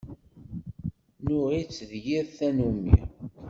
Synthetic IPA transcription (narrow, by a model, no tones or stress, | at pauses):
nʊʁit͡sːðjiðθænumḭ